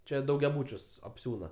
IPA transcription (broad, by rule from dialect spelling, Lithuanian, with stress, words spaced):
ˈt͡ʃʲɛ dɐʊɡʲɛˈbuːt͡ʃʲʊs ɐpʲˈsʲuːnɐ